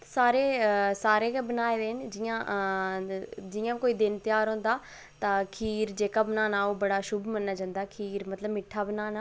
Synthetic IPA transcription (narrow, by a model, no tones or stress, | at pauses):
saːɾesaːɾekʰẽbɐnaːeʋeːɦnɪ̆d͡ʑiːã | d͡ʑiːãɪkoːid̪ɪnt̪ɪjaːɾɦõːn̆d̪aː | t̪ɐkʰiːɾd͡ʑeːkabɐnaːnaːobɐɽaʃʊbmɐnːɐd͡ʒɐ̃nd̪aːkʰiːɾmɐt̪ləbmɪʈʰːabɐnaːna